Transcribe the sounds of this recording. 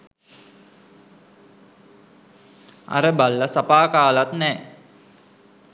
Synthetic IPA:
a̰ɾəbalːəsapaːkaːlat̪nɛː

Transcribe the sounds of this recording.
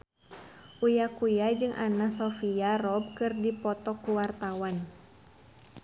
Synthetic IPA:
ʔujakujad͡ʒɨŋʔa̰nasɔfiarɔb̚kɨrdipɔt̪ɔkuwart̪awan

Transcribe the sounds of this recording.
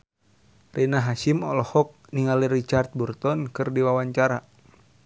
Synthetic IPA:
renaɦaʃimɔlɔhɔk̚niŋalirit͡ʃart̪̚burt̪ɔnkɨrdiwawaɲt͡ʃaɾa

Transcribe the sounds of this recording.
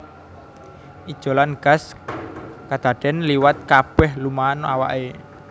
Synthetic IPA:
ʔid̥ʒ̥o̤lanɡ̥as | kad̪̥a̤ɖ̥ɛ̤nliwat̪̚kab̥ɛhlumaːna̰wa̰ʔe

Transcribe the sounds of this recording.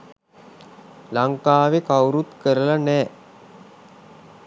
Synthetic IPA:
laŋkaːʋekawɾut̪kəɾəlanɛː

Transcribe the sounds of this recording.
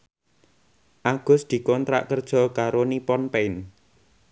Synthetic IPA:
ʔaɡ̥ʊ̤sd̪̥i̤kɔnt̪ɾa̰ʔkərd̥ʒ̥ɔ̤kaɾonipɔnpɛɪn

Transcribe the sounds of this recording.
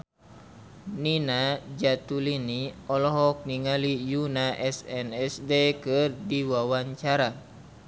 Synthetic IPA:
ninad͡ʒat̪uliniɔlɔɦɔk̚niŋalijunaʔɛsɛnɛsdekɨrdiwawaɲt͡ʃaɾa

